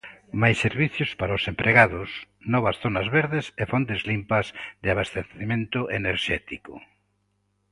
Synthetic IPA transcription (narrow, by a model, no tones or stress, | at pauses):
majsːeɾβiθjʊspaɾaʊsempɾʔeɣaðʊsnɔβɐsθonɐzβeɾðɪsefont̪ezlimpɐzðɪaβast̪eθemẽnt̪ʊʔeneɾʃɛt̪ikʊ̰